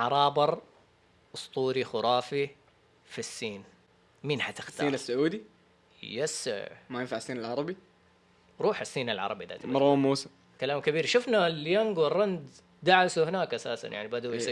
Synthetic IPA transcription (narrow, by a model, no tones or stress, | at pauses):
ʕɑɾˤɑːbɑɾˤ | ʔʊst̪ˤuːɾixʊɾˤɑːfi | fisːiːn | miːnħat̪ɪ̥xt̪aiːnasːʊʕuːd̪i | jasmajɪnfaʕasːiːnalʕɑɾˤɑbi | ɾˤuːħasːiːnalʕɑ̰ɾˤɑbiʔða̰t̪mɑɾˤamːuːsɪm | kalaːmkabiːɾʃʊfnaljaŋɡwɪrːɑnd̪ | d̪aʕasuhɪnaːkʔasaːsa̰njaʕnibad̪uj